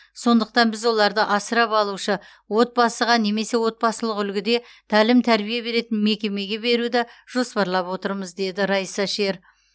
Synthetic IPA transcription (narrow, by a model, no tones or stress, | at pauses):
so̞nd̪əq̚t̪ɑnbɪzwo̞lˠɑɾd̪əʔɑsəɾɑpɑlˠuʃə | wo̞t̪̚bɑsəʁɑne̞me̞se̞wo̞t̪̚bɑsəlˠəqʏlɡʲɪd̪e̞ | t̪ʰælɪmt̪ʰæɾbijebe̞ɾe̞t̪ɪnme̞kʲe̞me̞ɡʲe̞be̞ɾud̪ɑʒ̥o̞spɑɾlˠɑpwo̞t̪əɾməzd̪e̞d̪ɪɾɑjsɑʃe̞ɾ